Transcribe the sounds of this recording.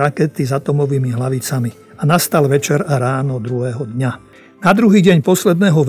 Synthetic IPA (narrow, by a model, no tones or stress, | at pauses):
akɛt̪izat̪ɔmɔʋiːmiɦlaʋit͡sami | anast̪alʋɛt͡ʃɛɾaɾaːnɔd̪ɾuɦɛːɦɔd̪ɲa | nad̪ɾuɦiːɟɛɲpɔslɛd̪nɛːɦɔʋ